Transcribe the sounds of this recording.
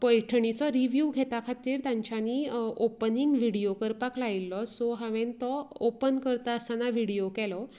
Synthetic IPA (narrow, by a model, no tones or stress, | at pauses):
pəjʈʰəɳ̃it͡sɔɾiʋjuɡʱet̪akʰat̪iːɾt̪ãɲt͡ɕaniːopəniŋɡʋiɽijokəɾpaklailːɔsɔɦaʋent̪ɔopənkəɾt̪aəsanaʋiɽijokɛlɔ